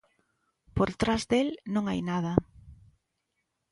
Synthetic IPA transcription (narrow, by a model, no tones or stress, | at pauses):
poɾt̪ɾazðelnõŋajnað̞ɐ